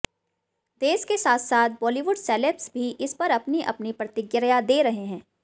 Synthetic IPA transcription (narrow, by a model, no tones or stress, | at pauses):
d̪̥eːskesaːt̪ʰsaːt̪̚ʰbɔːliʋʊɖsɛːlepsbʱiʔɪspɐɾɐpniʔɐ̰pnipɾɐt̪ɪɡjəɾjad̪eːɾɐɦeɦɛ̃ː